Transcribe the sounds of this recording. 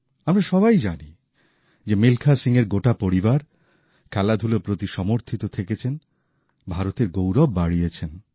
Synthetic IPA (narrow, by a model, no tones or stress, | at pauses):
amɾaʃɔβajd͡ʑani | d͡ʑemilkʰasiŋeɾɡoʈapoɾibaɾ | kʰɛlad̪ʱulopɾot̪iʃɔmoɾt̪ʰit̪ot̪ʰeket͡ɕʰen | bʱaɾot̪eɾɡowɾɔbːaɽijet͡ɕʰen